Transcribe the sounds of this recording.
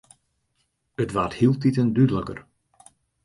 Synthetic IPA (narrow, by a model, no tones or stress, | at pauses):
ətʋathilˠtitəndydələkə̰r